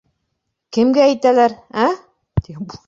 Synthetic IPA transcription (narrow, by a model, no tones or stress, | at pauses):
kɘ̆mɡæːjt̪ælæɾæ | t̪ib